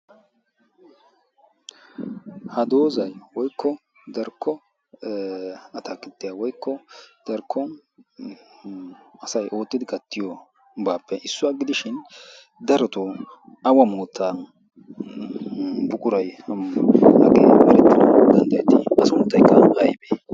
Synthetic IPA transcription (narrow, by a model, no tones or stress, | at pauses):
hɐd̪o̞ːzɐjwɔjkːɔ | d̪ɐɾkʰːɔ | ɐt̪ʰakːɪt̪ːɪjɐwɔjkːɔd̪̥ɐɾkʰːɔ | ɐsɐjʔo̞ːt̪ːɪd̪ɪkɐt̪ːɪjɔ | baːpːɛʔɪsːʊaːɡɪd̪ɪʃɪnd̪ɐɾɔt̪ɔ | ɐwɐmoːt̪ʰːa | bʊkʼʊɾɐj | hɐ̰ɡḛːbɐɾɛt̪ːɪnɐ̰d̪ɐnd̪ɐjɛt̪ɪɐsʊmt̪ːɐjkːɐɐjbe